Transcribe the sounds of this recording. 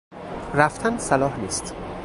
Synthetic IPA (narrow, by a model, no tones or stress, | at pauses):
ɾæft̪ʰænsælɒːhniːst̪